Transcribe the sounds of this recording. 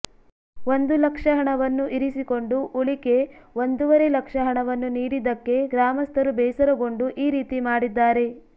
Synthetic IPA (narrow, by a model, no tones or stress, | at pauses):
o̞nd̪ulɐkʂɐɦɐɳɐʋɐnːuʔiɾisiko̞ɳɖuʔuɭike̞o̞nd̪uʋɐɾelɐkʂɐɦɐɳɐʋɐnːuniːɾid̪ɐkːe̞ɡɾaːmɐst̪ʰɐɾubɛːsɐɾɐɡo̞ɳɖuʔiːɾiːt̪imaːɽid̪ːaːɾe̞